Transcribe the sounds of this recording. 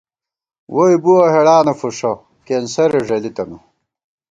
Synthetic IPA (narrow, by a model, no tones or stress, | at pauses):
wʔojbuɐɦeɽaːnɐfuʂo | keːnsɐɾeʐɐlit̪ɐnu